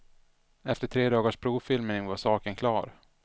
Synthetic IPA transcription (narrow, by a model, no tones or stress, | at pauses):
ɛft̪əʈʰɾeːd̪ɑːɡaʂpʰɾuːvfɪlmənɪŋvaɾsɑːkənkʰlɑːɾ